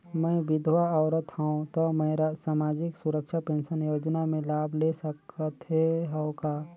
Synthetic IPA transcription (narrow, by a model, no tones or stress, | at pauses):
mɛ̃bɪd̪ʱwaɔʊɾət̪hãõt̪ɔmɛ̃ɾasaːmaːd͡ʒɪksʊɾəkʃapẽːnʃənjoːd͡ʒnamẽlaːbʱlesəkət̪ɦeɦəʊkaː